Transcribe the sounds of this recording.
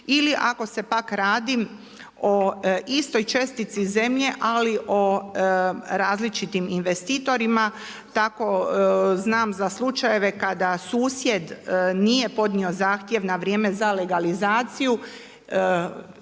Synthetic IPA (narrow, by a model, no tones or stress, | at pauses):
iliʔako̞se̞pakɾaːd̪i | o̞ist̪o̞jt͡ʃe̞st̪it̪size̞mʎe̞ʔaliʔo̞ | ɾaːzlit͡ʃit̪iminʋe̞st̪iːt̪o̞ɾima | t̪ako̞znaːmzaslˠut͡ʃaje̞ʋe̞kad̪asuːsje̞d̪nije̞po̞d̪nio̞zaːxt̪je̞ʋnaʋɾjeːme̞zale̞ɡalizaːt̪siju